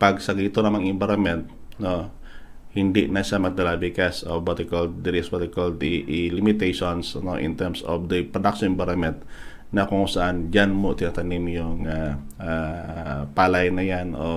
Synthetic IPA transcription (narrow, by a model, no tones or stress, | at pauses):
pɐɡsɐɡit̪onɐmaŋɪmbaɾonmɛnt̪̚ | no | hɪnd̪iʔnɐʃamɐɡ̚d̪ɐlabikasobot̪ɪkold̪̚d̪ɪɾisbat̪ɪkold̪iʔɪlɪmɪt̪ɛjʃonsno̰ʔɪ̰nt̪ɛɾmso̰fd̪ɐpɾod̪ak̚ʃɔnʔɛ̃mbajɾonmɛnt̪̚ | nɐkoŋsɐʔand͡ʒanmot̪ɪnɐt̪ɐnimjʊŋa | ʔa | paːlajnɐjanʔo